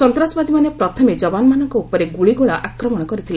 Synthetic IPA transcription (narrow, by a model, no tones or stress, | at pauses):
sɔnt̪ɾasbad̪imanepɾɔt̪ʰɔmed͡ʒɔbanmanɔŋkɔupɔɾeɡuɭiɡuɭaʔakɾɔmɔɽ̃ɔkɔɾit̪ʰila